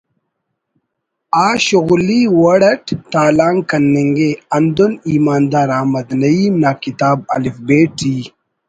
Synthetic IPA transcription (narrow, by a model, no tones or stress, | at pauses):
aːɕuɣliwɐɽɐʈt̪aːlaːŋkɐnːeŋɡeɐnd̪uniːmaːnd̪aːɾaːmɐd̪nɐiːmnaːkit̪aːb̚ɐ̰lifbeːʈiː